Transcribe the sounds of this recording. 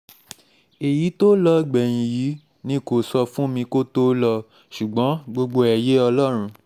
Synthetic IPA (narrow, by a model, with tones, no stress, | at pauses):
e˨ji˨˦to˦lɔ˧˦ɡ͡bɛ˨j̃ĩ˧˨ji˨˦ | nĩ˦˨ko˨sɔ˧fũ˦mĩ˧ko˦to˦lɔ˧ | ʃu˨ɡ͡bɔ̃˨˦ɡ͡bo˧ɡ͡bo˧ɛ˨je˦ɔ˧lɔ˦ɾ̃ũ˧